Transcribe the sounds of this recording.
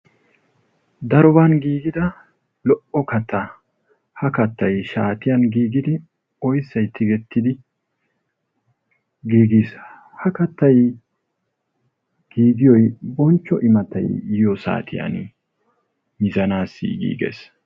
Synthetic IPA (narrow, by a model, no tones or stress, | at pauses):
d̪ɐɾɔbanɡiːɡɪd̪ɐ | lɔʔɔkɐt̪ːɐ | hɐkɐt̪ːɐjʃaːt̪ɪjɐnɡiːɡɪd̪ɪ | ɔjsːɐjt̪ʰːɪɡɛt̪ːɪd̪ɪ | ɡiːɡiːs | hɐkɐt̪ːɐj | ɡ̥iːɡɪjɔjbɔnt͡ʃːɔʔɪmɐt̪ɐ̰jjjɔsa̰ːt̪ʰɪjɐ̰n | mɪzɐnaːsːḭɡḭːɡḛːs